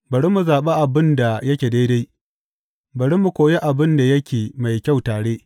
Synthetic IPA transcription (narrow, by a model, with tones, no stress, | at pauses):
bɐ˨ɽi˦mu˨zaː˨ɓe˦ʔa˨bɪ˦nda˨jɐ˦kʲeː˨da˦jda˦j | bɐ˨ɽi˦mu˨kʷoː˨je˦ʔa˨bɪ˦nda˨jɐ˦kʲeː˨ma˨jkʲa˦˨wtaː˨ɽeː˦